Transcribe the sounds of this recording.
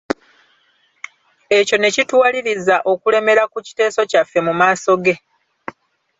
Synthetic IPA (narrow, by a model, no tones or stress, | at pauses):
e̞co̞ne̞citwaːliɾizaʔo̞kule̞me̞ɾakuci̥te̞ːso̞cafːe̞mumaːso̞ɡe̞